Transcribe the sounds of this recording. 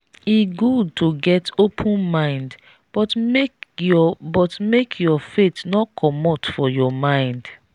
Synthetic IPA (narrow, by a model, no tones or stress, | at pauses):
iɡud̚tʰoɡɛtopʰũnmãɪ̃nd | b̥ɔtmeɔbɔtmekʰjɔfetnɔkʰɔmɔtfɔjɔmãɪ̃nd